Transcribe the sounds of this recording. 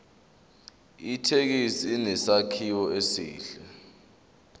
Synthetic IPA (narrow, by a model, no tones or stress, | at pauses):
itʰek̬isiːnɛsakʰiwɔesḭːɬɛ